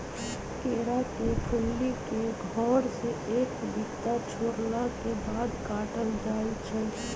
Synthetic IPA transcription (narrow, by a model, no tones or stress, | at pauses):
keːɾakekʰʊlːikeɡʱɔːɾseeːkb̪ɪkt̪at͡ʃʰoːɾnakebaːd̪kaːʈəld͡ʒaːit͡ʃʰɛ